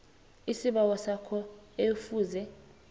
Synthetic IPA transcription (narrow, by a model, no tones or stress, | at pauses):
isiɓawɔsakʰɔ | efuːzɛ